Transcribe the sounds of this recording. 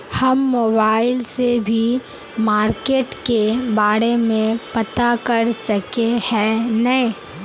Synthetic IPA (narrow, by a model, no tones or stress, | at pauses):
hɐmːoːbaːɪlsebʱi | maːɾkeːʈkebaːɾemẽpɐt̪akɐɾsɐkehɛ̃nɐẽ